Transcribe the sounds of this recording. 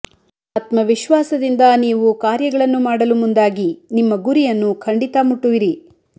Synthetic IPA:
aːt̪mɐʋiʃʋaːsɐd̪ind̪ɐniːʋukaːɾjɐɡɐɭɐnːumaːɽɐlumund̪aːɡinimːɐɡuɾijɐnːukʰɐɳɖit̪ɐmuʈːuʋiɾi

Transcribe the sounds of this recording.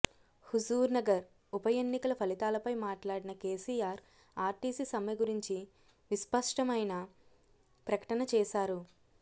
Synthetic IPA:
huzuːɾnɐɡɐɾ | upɐjenːikɐlɐpʰɐlit̪aːlɐpɐjmaːʈlaːɽinɐkeːsiːjaːɾ | aːɾʈiːsisɐmɐjɐɡuɾiɲt͡ʃi | ʋispɐʂʈɐmɐjnɐ | pɾɐkɐ̥ʈɐnɐt͡ʃɛːʃaːɾu

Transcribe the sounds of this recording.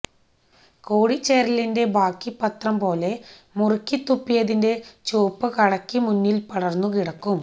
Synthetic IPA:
koːɽit͡ɕːeːɾɐlinde̞baːkːipːɐt̪rɐmpo̞ːle̞ | murikʲːit̪ːupːijɐðinde̞t͡ɕoːpːɨkɐɽɐkːimunːilpɐɽɐrnːukiɽɐkːum

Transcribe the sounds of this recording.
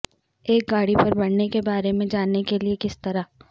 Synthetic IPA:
eːk̚ɡaːɽipɐɾbɐɽnekebaːɾemẽd͡ʒaːnekeliekɪst̪ɐɾa

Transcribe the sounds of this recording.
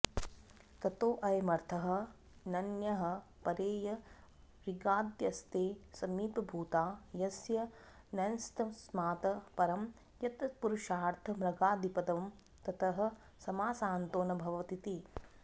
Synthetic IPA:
t̪ɐt̪oːʔɐjɐmɐɾt̪ʰɐɦɐ̆ | nɐnjɐɦɐ̆ | pɐɾeːjɐ | ɾiɡaːd̪jɐst̪eːsɐmiːpɐbʱuːt̪aːjɐsjɐ | nɐnst̪ɐsmaːt̪ɐpɐɾɐm | jɐt̪puɾuʃaːɾt̪ʰɐmɾɐɡaːd̪ipɐd̪ɐʋm | t̪ɐt̪ʰɐɦɐ̆ | sɐmaːsaːnt̪oːnɐbʱɐʋɐt̪it̪i

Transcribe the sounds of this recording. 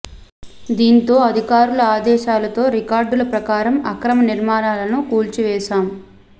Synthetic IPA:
d̪iːnt̪o̞ːɐd̪ʱikaːɾulɐaːd̪ɛːʃaːlɐt̪o̞ːɾikaːɾɖulɐpɾɐkaːɾɐmɐkɾɐmɐniɾmaːnaːlɐnukuːlt͡ʃiʋɛːʃaːm

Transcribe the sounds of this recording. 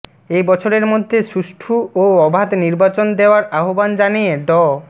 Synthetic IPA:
ejbɔt͡ɕʰoɾeɾmod̪ʱːeʃuʃʈʰuoɔbʱad̪niɾbat͡ɕond̪eoaɾaɦoband͡ʑanijeɖɔ

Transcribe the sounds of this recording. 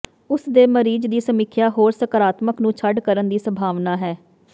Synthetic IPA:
ʊsd̪eːməɾiːd͡ʒd̪iːsəmɪkʰjaːɦoːɾsəkəɾaːt̪məknũːt͡ʃʰəɖkəɾənd̪iːsəmbʱaːʋnaːɦɛː

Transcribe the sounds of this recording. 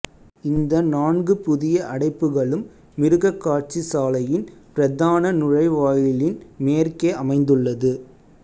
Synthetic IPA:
ɪnd̪ɐnaːɳɡɯpʊðɪjɐʔɐɽɐɪpːɯɣɐɭɯmː | ɪɾɯɣɐkːaːʈ̚t͡ʃisaːlɐjɪnpɪɾɐðaːnɐnʊɻɐɪʋaːjɪlɪnmeːrkeːʔɐmɐɪnd̪ɯɭːɐðɯ

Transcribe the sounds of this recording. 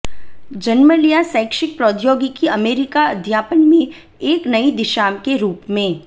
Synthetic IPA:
d͡ʒɐnməlijasə̃ːkʃɪk̚pɾɔːd̪joːɡikiɐmeːɾɪkaɐd̪ʱjaːpənmẽ | eːknɐid̪ɪʃaːmkeɾuːpmẽː

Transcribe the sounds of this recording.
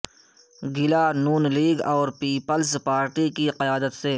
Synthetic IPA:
ɡɪlaːnuːnliːɡɔːɾpiːpəlspaːɾʈikiqɪjaːd̪ət̪se

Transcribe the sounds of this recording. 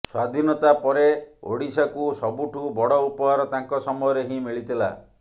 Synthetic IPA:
swad̪ʱinɔt̪apɔɾeo̰ɽisakusɔbuʈʰubɔɽɔupɔɦaɾɔt̪aŋkɔsɔmɔjɔɾeɦĩmiɭit̪ʰila̰

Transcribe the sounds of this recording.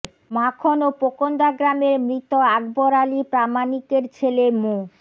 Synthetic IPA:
makʰonopokond̪aɡɾameɾmɾit̪oaɡboɾalipɾamanikeɾt͡ɕʰelemo

